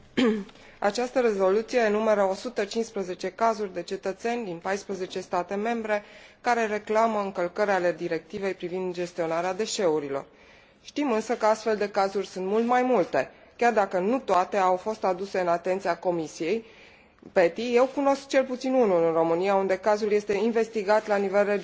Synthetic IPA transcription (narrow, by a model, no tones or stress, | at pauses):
a̰t͡ʃast̪əɾe̞zo̞lut̪sije̞ːnume̞ɾəo̞sut̪ət͡ʃinspɾəze̞t͡ʃe̞kazurʲd̪e̞t͡ʃe̞t̪ət̪se̞nʲd̪inpajspɾəze̞t͡ʃe̞st̪at̪e̞me̞mbɾe̞kaɾe̞re̞klaməɨŋkəlkəɾʲale̞d̪iɾe̞k̚t̪ive̞jpɾivind̪d͡ʒe̞st̪io̞naɾead̪e̞ʃe̞uɾilo̞̰r | ʃt̪imɨnsəkəast̪fe̞ld̪e̞kazurʲsuɨnt̪mult̪majmult̪e̞ | kʲard̪akənut̪oat̪e̞awfo̞st̪ad̪use̞ɨnat̪e̞nt̪siako̞misije̞j | pe̞t̪ije̞wkuno̞sk̚t͡ʃe̞lput̪sinunulɨnro̞mɨniaund̪e̞kazulje̞st̪e̞inve̞st̪iɡat̪lanive̞lred͡ʒ